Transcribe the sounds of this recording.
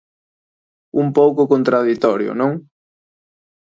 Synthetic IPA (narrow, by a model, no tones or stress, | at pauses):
umpowkʊkont̪ɾaðit̪ɔɾjʊ̰nõŋ